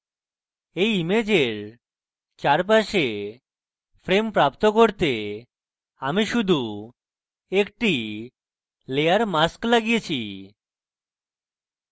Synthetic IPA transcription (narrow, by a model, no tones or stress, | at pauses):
ejimed͡ʑeɾ | t͡ɕaɾp̬aʃe | fʰɾempɾapt̪okoɾt̪e | amiʃud̪ʱu | ekʈi | lejaɾmasklaɡijet͡ɕʰi